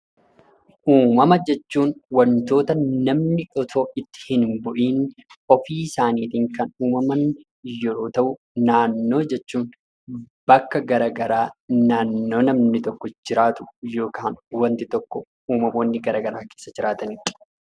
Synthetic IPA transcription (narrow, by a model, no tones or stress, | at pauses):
ʔuːmɐmɐd͡ʒɛt͡ʃːuːnwɐnt̪o̞ːt̪ɐnɐmnɪᶑɔt̪ʰoːɪt̪ːɪ̥hɪnmbʊʔiːnɔfiːɪsaːniːt̪iːŋkɐnuːmɐmɐn | joɾoːt̪ɐʔʊ | naːnːo̞ːd͡ʒɛt͡ʃːuːn | b̥ɐkːɐɡɐɾɐɡɐɾaːnaːnːo̞ːnɐmnɪt̪ɔkːɔd͡ʒɪɾaːt̪ʊ̥jo̞ːkaːnwɐnt̪ɪt̪ɔkːɔ | uːmɐmoːnːɪɡɐɾɐɡɐɾaːkeːsːɐd͡ʒɪɾaːt̪ɐnɪ̥